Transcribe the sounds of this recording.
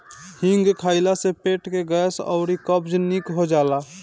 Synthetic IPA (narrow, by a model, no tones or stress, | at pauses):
hɪ̃ŋɡkʰaːɪlasepeːʈkeɡɛːsɔ̰ʊɾikəbd͡ʒnikɦod͡ʒaːlaː